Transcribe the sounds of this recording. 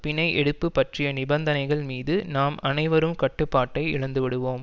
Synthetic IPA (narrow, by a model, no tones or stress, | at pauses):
pɪnɐɪʔɛɽɯpːɯpːɐʈrɪjɐnɪbɐnd̪ɐnɐɪɣɐɭmiːðɯnaːmɐnɐɪʋɐɾɯmkɐʈːɯpːaːʈːɐɪɪɻɐnd̪ɯʋɪɽɯʋoːm